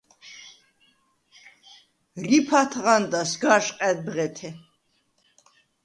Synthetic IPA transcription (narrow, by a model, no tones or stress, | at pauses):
ripʰat̪ʰʁand̪asɡaʃqʼɛd̪̚bʁɛt̪ʰɛ